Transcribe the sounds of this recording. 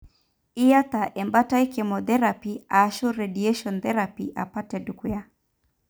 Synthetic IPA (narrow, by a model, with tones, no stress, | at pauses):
i˦ja˦t̪a˨ʔɛ˨mba˦ta˦i˦kɛmɔðɛ˦ɾapiaʃɔ˦ɾɛɗiɛ˦ʃɔnt̪ɛ˦ɾapiʔa̰˨pa˦tɛduku˦ja˦